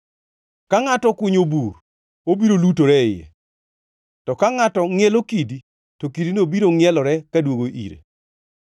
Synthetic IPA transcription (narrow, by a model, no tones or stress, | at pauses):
kaŋatɔkʊɲobur | obiɾolutoɾɛɪjɛ̰ | tɔkaŋatɔŋjɛlokidi | tokidinobiɾoŋɪɛlɔɾɛkadwoɡoʔḭɾḛ